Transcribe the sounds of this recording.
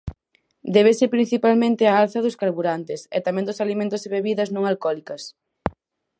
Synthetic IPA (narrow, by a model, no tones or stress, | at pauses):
d̪ɛβesepɾin̟θipalmẽnt̪ɪaalθɐðʊskaɾβuɾant̪ɪsɛ̰t̪amɛ̃nd̪ʊsalimẽnt̪ʊsðeβeβiðɐznõŋalkɔlikɐs